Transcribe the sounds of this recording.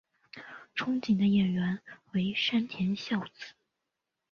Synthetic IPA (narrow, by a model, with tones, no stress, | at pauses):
ʈ͡ʂʰʊ˥ŋt͡ɕi˨˩nd̪ə˦jɛ˨˩ɥɛ˧˥nwe˧˥ɪʂa˥nt̪ʰjɛ˧˥nɕjɑ˥˩ʊt͡sɹ̩˨˩˦